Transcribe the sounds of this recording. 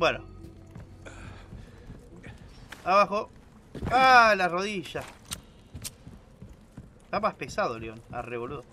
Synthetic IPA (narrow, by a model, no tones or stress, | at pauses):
bweno | aβaxo | alaro̞ðiʃa | t̪amahpesaðoleona̰reβolweðo